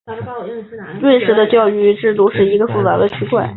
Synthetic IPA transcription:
lwə˥˧nʂɻ̩˧˥d̪ə˧t͡ɕjɑ˥˧ʊy˥˧ʈ͡ʂɻ̩˥˩t̪u˥˧ʂɻ̩˥˩i˧˥ɡə˧fu˥˩t͡sa̰˧˥d̪ə˧t͡ɕʰy˧˥kwa˥˩ɪ

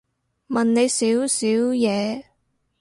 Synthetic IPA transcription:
mɐ˨˩nne˨˧jsiː˨˥wsiː˨˥wjɛː˨˧

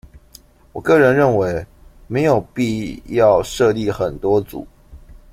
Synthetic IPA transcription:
wɔ˨˩kɤ˥˩ɻə˧˦nɻə˥˨˩nwe˧˦ɪme˨˥ɪjo˨˩ʊpi˥˧jɑ˥˧ʊʂɤ˥˧li˥˩xə˨˩nt̪wɔ˦˥t͡sṵ˨˩˦

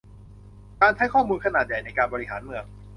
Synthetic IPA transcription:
kaː˧nt͡ɕʰa˦˥jkʰɔː˥˩muː˧nkʰa˧naː˨˩t̪̚ja˨˩jna˧jkaː˧nbɔː˧ɾi˦ɦa̰ː˩˦nmɯ˧əŋ

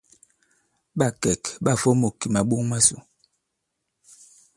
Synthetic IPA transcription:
ɓa˦˨kɛ˨kɓa˦˨fɔ˦mo˨ki˨ma˨ɓo˦ŋma˦sṵ˨

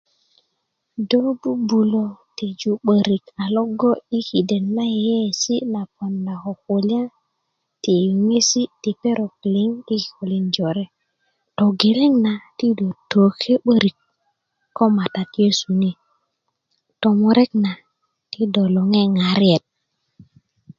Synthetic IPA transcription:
do˦bu˦bu˨lo˨ti˨d͡ʒu˨ɓə˨ɾi˨ka˨lo˦ɡo˦i˦ki˨de˨nla˦je˨je˦˨si˦na˨po˨nda˨ko˨ku˨la˦ | ti˨ju˨ŋe˦si˦ti˨pe˦ɾo˨k̚li˦ŋi˦˨ko˨li˦nd͡ʒo˨ɾe˦ | to˨ɡe˨le˦ŋna˨ti˦do˨to˨ke˦ɓə˦ɾi˨kː | o˦ma˨ta˨tje˦su˨ni˦ | to˨mo˨ɾe˦kna˨ | ti˦do˨lo˨ŋe˦ŋa˨ɾi˦e˨t̚

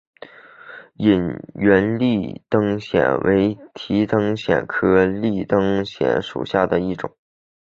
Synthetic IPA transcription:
i˨˩nɥɛ˧˥nli˥˩t̪ɤ˥ŋɕjɛ̰˨˩nwʔḛ˧˥ɪt̪ʰi˧˥t̪ɤ˥ŋɕjɛ̰˨˩nkʰɤ˥li˥˩t̪ɤ˥ŋɕjɛ̰˨˧˩nʂṵ˨˩ɕja˥˩d̪ə˩i˥˩ʈ͡ʂʊ̰˨˩˦ŋ

